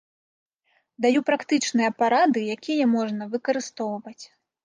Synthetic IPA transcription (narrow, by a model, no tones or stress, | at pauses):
d̪ajupɾakt̪ɨt͡ʂnɨjɐpaɾad̪ɨjakʲʰijɐmɔʐnɐvɨkɐɾɨst̪ɔwvɐt͡sʲ